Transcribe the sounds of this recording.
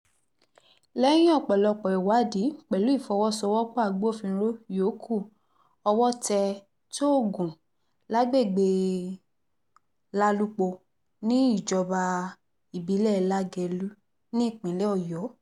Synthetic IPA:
lɛ˦j̃ĩ˦ɔ˦˨k͡pɛ˨lɔ˧˨k͡pɔ˨ɛ˨wa˨˦di˨˦k͡pɛ˨lu˨˦i˦˨fɔ˧wɔ˦sɔ˧wɔ˦k͡pɔ˦a˦˨ɡ͡bo˦˨fĩ˧ɾo˦jo˨˦kʰu˦˨ | ɔ˧wɔ˦tɛ˧ | to˦o˦˨ɡũ˨ | la˦ɡ͡be˦˨ɡ͡be˧ | la˦lu˦k͡po˧ | nĩ˦i˦˨d͡ʒɔ˧ba˧ | i˨bi˨˦lɛ˦la˦ɡɛ˧lu˦ | nĩ˦i˦˨k͡pĩ˨˦lɛ˦ɔ˦˨jɔ˨˦

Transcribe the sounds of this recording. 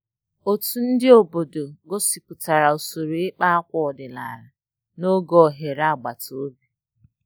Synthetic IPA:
o˨tu˨n̩˦dɪ˦o˨bo˨do˨ɡo˦si˨pʊ˨ta˨ɾa˨o˨so˨ɾo˨ɪ˦k͡pa˦a˦kʷɔ˦ɔ˨dɪ˨la̰˨ɾa˨ | no˦ɡɔ˦˨ɦe˨ɾa˦˨ɡ͡ba˨to˨o˦bi˨

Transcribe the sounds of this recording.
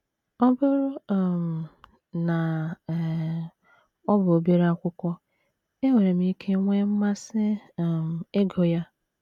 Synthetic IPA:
ɔ˦bʊ˦ɾʊ˦˨m̩˨ | na˨ | ɔ˦bʊ˨o˨be˦ɾe˦a˦kʷʊ˦kʷɔ˦ | e˦we˨ɾe˨m̩˦i˦kʰe˦ŋʷe˦m̩˦ma˦sɪ˦˨m˨e˦ɡo˨ja˦

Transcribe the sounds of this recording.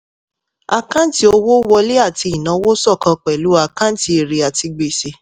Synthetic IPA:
a˦kã˦ti˧˦o˧wo˦wɔ˧le˦a˦˨ti˧i˨nã˨˦wo˦sɔ˦˨kã˧k͡pɛ˨lu˨˦a˦˨kã˦n̩˦ti˧e˨ɾe˨a˨ti˧ɡ͡be˨se˧

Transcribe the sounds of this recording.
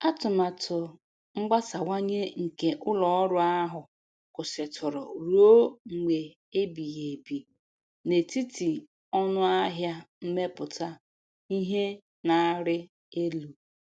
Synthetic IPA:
a˦tʊ˨ma˨tʰʊ˨ | ŋ͡m̩˦ɡ͡ba˦sa˨wa˦ɲe˦ŋ̩˨ke˨ʔʊ˦lɔ˨˦ɾʊ˦a˦ɦʊ˨ | kʊ˨sɪ˨tʰʊ˨ɾʊ˨ɾu˨˦o˦ŋ͡m̩˨ɡ͡be˨ | e˦bi˨ɣe˨bi˨ | ne˨ti˦ti˨ | ɔ˦nʊ˦a˦ɦja˦m̩˦me˦pʊ˨ta˦ | i˦ɦe˦ | na˦ɾɪ˦ | e˦lu˨

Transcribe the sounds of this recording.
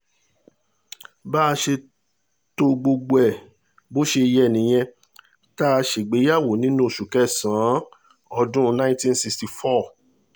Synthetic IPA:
ba˦˧ʃe˧ | to˧ɡ͡bo˧ɡ͡bo˧ɛ˨ | bo˦ʃe˧jɛ˧˦˨nĩ˨j̃ɛ̃˧ | ta˦˧ʃe˨ɡ͡be˨˦ja˦˨wo˨˦nĩ˦nũ˦˨ʃu˨kɛ˨˦sãː˨˦ | ɔ˧dũ˦˧nã˦ĩ˦tĩ˦nsi˧ksti˨fɔ˦˨

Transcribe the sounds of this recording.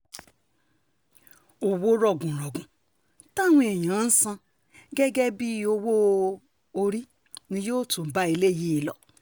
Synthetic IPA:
o˨wo˦ɾɔ˨ɡũ˨ɾɔ˨ɡũ˨ | ta˦ŋʷ˦e˨ɲã˨˦n̩˦sã˦˧ | ɡe˦ɡe˦bi˦˨o˦wo˦ | o˦ɾi˦ | nĩ˧jo˦tũ˨ba˦e˨le˦˨ji˦˨lɔ̰˨

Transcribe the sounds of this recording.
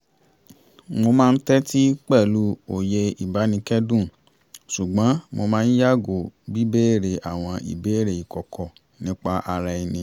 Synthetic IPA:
mo˧mãː˦˧n̩˦tɛ˦ti˦k͡pɛ˦˨lu˨˦o˨je˧i˨ba˨˦nĩ˧kɛ˦dũ˦˨ | su˨ɡ͡bã˨˦mo˧mãː˦˧n̩˦ja˦˨ɡo˨bi˨˦be˦e˦˨ɾe˨ʔa˨w̃ɔ̃˧ḭ˨be˨˦e˦˨ɾe˨i˨kɔ˨kʰɔ˨ | nĩ˨˦k͡pa˧ʔa˧ɾa˧i˧nĩ˧

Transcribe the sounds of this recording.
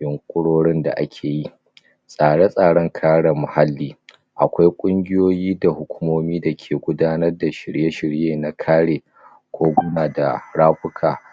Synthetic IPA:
jɪ˨ŋkʷʼʊ˦ɽoː˦ɽɪ˦nda̰˨ʔa̰˦kʲʰeː˨ji˦ | sʼaː˨ɽe˦sʼaː˨ɽɔ˦ŋkʰaː˦ɽa˨mʊ˨ha˦lːiː˦ | ʔa˨kʷa˦jkʷʼʊ˦ŋɡʲɪ˦joː˦jiː˦da˨hʊ˦kʷʊ̥˦moː˦miː˦da˨kʲʰeː˨ɡʷʊ˦daː˦nɐ˦rda˨ʃɪ˨ɽje˦ʃɪ˨ɽjeː˨na˦kʰaː˦ɽeː˨ | kʷoː˦ɡʷʊ˦naː˨da˨ɽaː˦ɸʊ˦kʰaː˨

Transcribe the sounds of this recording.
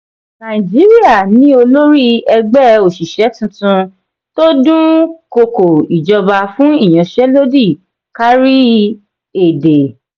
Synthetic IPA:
nã˨d͡ʒi˨˦ɾi˦a˦˨nĩ˨˦o˧lo˦ɾi˦ɛ˧ɡ͡bɛ˦o˨ʃi˨ʃɛ˨˦tũ˧˦tũ˧ | to˦dũ˦ko˧ko˨i˨d͡ʒɔ˧ba˧fũ˦i˦˨j̃ã˨ʃɛ˦lo˦di˦˨ | ka˦ɾi˦ | e˨de˨

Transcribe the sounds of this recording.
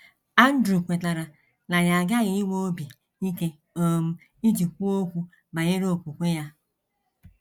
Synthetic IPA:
a˦n̩˦dɾu˨kʷe˨ta˨ɾa˨ | na˨ja˨ɡa˦ɣɪ˨˦i˦wʷo˦o˦bi˨ | i˦ke˦ | o˦m̩˦ | i˦d͡ʒi˨kʷu˦o˦kʷu˦ | ba˨ɲe˦ɾoo˦˨kʷu˨kʷe˦ja˦

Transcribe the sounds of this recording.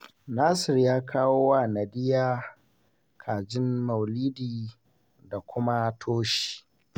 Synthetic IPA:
naː˦sɪ˨rjaː˦kʰaː˦woː˦wa˦˨na˨dɪ˦jaː˦ | kʰaː˨d͡ʒɪ˦nmɐ˨wliː˦diː˨ | da˨kʷʊ˦ma˦tʰoː˦ʃi̥i̥˨

